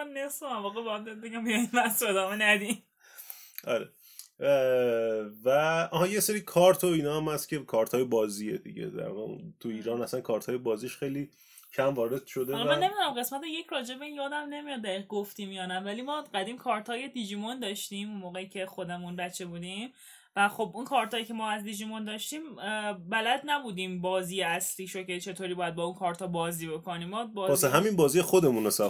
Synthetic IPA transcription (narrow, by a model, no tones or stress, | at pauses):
mnesomæɾvɒːɣebebæt̪d̪id̪̚beɟæmbijɒinvæsed̪ɒːmenæd̪i̥ | ʔɒ̰ɾḛ | væɒɦɒjeseɾiːkʰɒːɾt̪ʰoiːnɒːæmhæst̪cʰʲe̞kʰɒːɾt̪ʰɒːjebɒːziːed̪ḭɟḛd̪æ̰ɾvɒ̰ːɣeṵnt̪ʰuiːɾɒːnæsænkʰɒːɾt̪ʰɒːjebɒːziʃxejli | cʰæmvɒːɾe̞d̪̥ʃo̞d̪elmæne̞mid̪unæmɢe̞smæt̪ejecʰɾɒːd͡ʒe̞be̞injɒːd̪æmne̞mijɒd̪d̪æiːɣeɡoft̪imjɒːnævælimɒːɢæd̪iːmkʰɒːɾt̪ʰɒːje̞d̪id͡ʒimond̪ɒːʃt̪iːmunmoːɣeicʰe̞xod̪e̞munbæt͡ʃʰːe̞buːd̪im | væxo̞bʔunkʰɒːɾt̪ʰɒːjicʰe̞mɒːæzd̪id͡ʒimond̪ɒːʃt̪iːmbælæd̪næbuːd̪iːmbɒːziːjeæsliːʃocʰet͡ʃʰe̞t̪ʰoːɾibɒːjæd̪̚bɒːunkʰɒːɾt̪ʰɒːbɒːziːbe̞ko̞niːmːɒːbɒɒseɦæminbɒːzijexod̪e̞munesæ